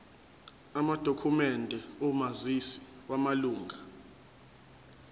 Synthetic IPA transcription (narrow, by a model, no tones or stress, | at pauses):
amad̥ʱokʰumɛndʱɛomazisi̥wamaluːŋɡʱa